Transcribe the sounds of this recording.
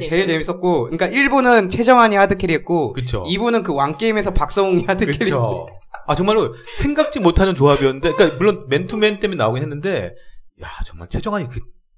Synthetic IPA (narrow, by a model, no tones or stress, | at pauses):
t͡ɕe̞ɭt͡ɕe̞mis͈ʌt̚k͈oɯɲik͈aʔiɭbonɯnt͡ɕʰe̞d͡ʑʌŋɦaɲihadɯkʰeɾiet̚k͈okɯt͡ɕʰo̰ibunɯnkɯwank͈eimesʰʌpak̚s͈ʌŋoɲihadɯkkʰeɾo | at͡ɕʌŋmaɭːosʰe̞ŋɡak̚t͡ɕ͈imotʰanɯnt͡ɕoabiʌnːɯnde̞ik͈amuɭːonme̞ntʰument͈emjenːaoɡinɦenːɯnde̞ja̰t͡ɕʌŋma̰ɭt͡ɕʰe̞d͡ʑʌŋɦaɲikɯ